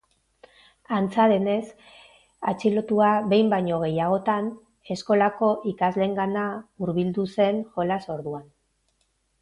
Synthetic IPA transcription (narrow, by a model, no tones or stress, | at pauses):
ant͡saðe̞ne̞s | a̰t͡ʃilo̞t̪uaβe̞jmbajɲo̞ɣ̞e̞jaɣ̞o̞t̪an | e̞sko̞lako̞ʔikazle̞ŋɡanauɾβild̪use̞nxo̞laso̞ɾðuan